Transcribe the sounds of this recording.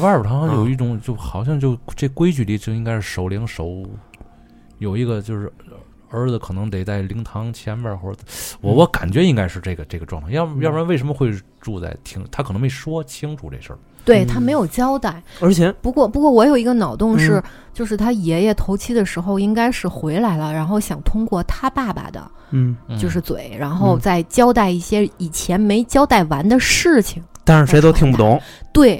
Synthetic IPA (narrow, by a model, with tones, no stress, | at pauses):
a˥ə˞˨˩t̪ʰɑ˥ɑ˥ŋjo˧˨˧ʊi˥˩ʈ͡ʂʊ˧˥˦ŋt͡ɕjo˥˧ʊxɑ˨˩ʊɕ̬jɑ˥˧ŋt͡ɕjo˥˧ʊʈ͡ʂe˥˩ɡə˩kwe˥ɪt͡ɕy˧˩li˥˩t͡ɕjo˥˩ʊi˥ŋka˥ʂɻ̩˥˩ʂo˨˩ʊli˧˥ŋʂo˧˥ʊ | jo˨˩ʊi˧˥ɡə˧t͡ɕjo˥˧ʊʂɻ̩˥˧ | ə˞˧˥d͡zə˩kʰɤ˨˩nɤ˧˥ŋt̪e˨˩ɪt͡sa˥˩ɪli˧˥ŋt̪ʰɑ˧˥ŋt͡ɕʰjɛ˥nʋə˥˧xwɔ˥˩˧wɔ˧˥wɔ˧˥ka˨˩nt͡ɕɥɛ˧˥i˥ŋka˥ɪʂɻ̩˥˧ʈ͡ʂe˥˩ɡə˩ʈ͡ʂe˥˩ɡə˩ʈ͡ʂwɑ˥˧ŋt̪ʰa˥˧jɑ˥˧jɑ˥ɻnʋe˥˩ʂə˧˥mə˧xwe˥˧ɪ | ʈ͡ʂu˥˧t͡sa̰˥˩ɪt̪ʰi˥ŋt̪ʰa˥kʰnɤ˧˥mpe˥˩ɪʂwɔ˥t͡ɕʰi˥ŋʈ͡ʂʰṵ˨˧˩ʈ͡ʂe˥˧˩ʂə̰˞˥˩ | t̪we˥˩ɪt̪ʰa˥me˧˥ɪjo˨˩ʊt͡ɕjɑ˥ʊt̪a˥˩ɪə˞˧˥t͡ɕʰjɛ˧˥pu˧˥kwɔ˥˩pu˧˥kwɔ˥˩wɔ˧˥jo˨˩ʊi˧˥ɡə˧nɑ˨˩ʊt̪ʊ˥˧ŋʂɻ̩˥˩ | t͡ɕjo˥˧ʊʂɻ̩˥˩t̪ʰa˥jɛ˧˥jɛ˧˩t̪ʰo˧˥ʊt͡ɕʰi˥d̪ə˨ʂɻ̩˧˥xo˥˧ʊi˥ŋka˥ɪʂɻ̩˥˧xwe˧˥ɪla˧˥ɪlə˧ɻa˧˥nxo˥˩ʊɕjɑ˨˩ŋt̪ʰʊ˥ŋkwɔ˥˩t̪ʰa˥pa˥˩ba̰˩d̪ə̰˩ | t͡ɕjo˥˧ʊʂ̬ɻ̩˥˩t͡swe˨˩˦ɪɻa˧˥nxo˥˧ʊt͡sa˥˩ɪt͡ɕjɑ˥ʊt̪a˥˧ɪi˥˩ɕjɛ˥i˨˩t͡ɕʰjɛ˧˥nme˧˥ɪt͡ɕjɑ˥ʊt̪a˥˩ɪwa˧˥nd̪ə˧ʂɻ̩˥˩t͡ɕʰi˨˩ŋt̪a˥nʂ̩˥˩ʂe˧˥ɪo˥ʊt̪ʰi˧ŋpu˥˩t̪ʊ˧˥ŋt̪we˥˩ɪ